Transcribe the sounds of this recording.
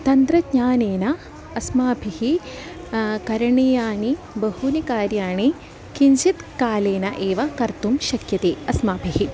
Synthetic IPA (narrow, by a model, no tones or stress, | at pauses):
t̪ɐnt̪ɾɐdɲaːneːnɐ | ɐsmaːbʱihi | kɐɾɐɳeːjaːni | bɐɦunikaːɾjaːɳe | kiɲd͡ʒit̪kaːleːnɐʔeːʋɐkɐɾt̪umʃɐkjɐt̪eːɐsmaːbʱiɦi